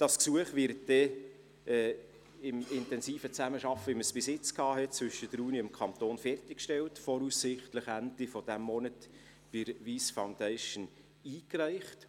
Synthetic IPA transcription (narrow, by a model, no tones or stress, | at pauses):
d̥ɑsksuəχʋɪɾt̚d̥ɛ | ɛː | ɪmɪntɛnsiːfət͡sæməʃɑfəiməsb̥ɪsɪt͡skhɑːɦɛt̚t͡svʏʃəd̥əɾuːniɪmkʰɑnt̪oːnfɛrtɪkʃtɛltfɔɾusːɪχtləχændifɔd̥æmːɔnət | b̥ɪɾʋiːsfaʊndɛɪʃən | iːkɾæɪχt